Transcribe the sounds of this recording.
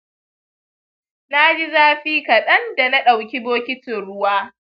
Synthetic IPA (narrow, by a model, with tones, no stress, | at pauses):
na˦d͡ʒi˦zaː˦ɸiː˦kɐ˨ɗɐ˦nda˨na˦ɗa˨wkʲi˦boː˦kʲɪ˦tɪ˨nɽʊ˦waː˦